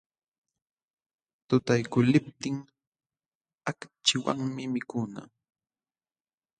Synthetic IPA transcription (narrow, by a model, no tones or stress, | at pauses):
t̪ʊt̪ajkʊlɪp̚t̪ɪŋ | akt͡ʃɪwa̰ŋmɪmɪkʊna̰